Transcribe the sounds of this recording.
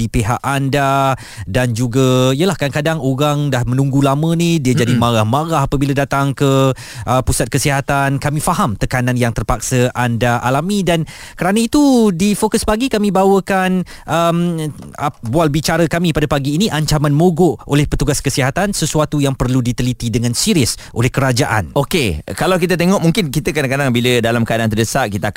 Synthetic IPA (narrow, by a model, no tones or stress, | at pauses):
ipeɦaʔanda | dand͡ʒuɡaijəlahkankadaŋoɾaŋdahmə̃nũŋɡulamə̃nidiəd͡ʒadimãɾahmãɾaɦapəbiladat̪aŋkə | ʔəpusat̪̚kəsiɦat̪ankamĩfaɦamt̪əkananjaŋt̪ərpak̚səʔandaʔalamĩdan | kəɾanait̪udifokʊspaɡikamĩbawəkan | ʔəm | bualbit͡ʃaɾakamĩpadapaɡiːniʔaɲt͡ʃamãnmoɡoʔolɛhpət̪uɡaskəsiɦat̪ansəsuat̪ujaŋpərludit̪əlit̪idəŋãnsiɾiəsʔolɛhkəɾad͡ʒaʔa̰nokekalawkit̪at̪̬eŋɔʔmuŋkɪnkit̪akadakadaŋbilədalamkadant̪ərdəsaʔkit̪a